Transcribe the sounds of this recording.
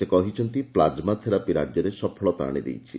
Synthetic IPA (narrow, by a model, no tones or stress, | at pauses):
sekɔɦit͡ʃʰɔnt̪iplad͡ʒmat̪ʰeɾapiɾad͡ʒjɔɾesɔpʰɔɭɔt̪a̰ɽ̃id̪ḛjt͡ʃʰi